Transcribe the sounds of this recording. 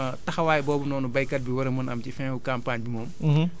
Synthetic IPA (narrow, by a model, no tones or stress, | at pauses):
tɐxɐwaːjɛbɔːbɐnɔːnubɐjkɐt̚biwɐɾɐmɐnɐmcifɛ̃ːfukaːmpaːɲbimɔːm